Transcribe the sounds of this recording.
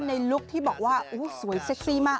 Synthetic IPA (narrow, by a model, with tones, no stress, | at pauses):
nːa˧jlu˦˥k̚t̪ʰiː˥˩bɔː˨˩k̚waː˥˩ʔuː˦˥su˨˩˦əjse˦˥k̚siː˥˩maː˥˩k